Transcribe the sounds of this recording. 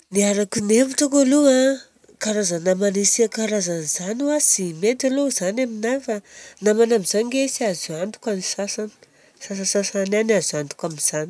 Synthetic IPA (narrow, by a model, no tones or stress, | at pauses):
niaɾakuneviʈ͡ʂukalua | kaɾazanamanisiakaɾazanzanuasiment̪alozanaminajfanamanamizaniɡesiazuant̪u̥kanisasan | sas̬asasaananazuant̪u̥kaminz̥ani̥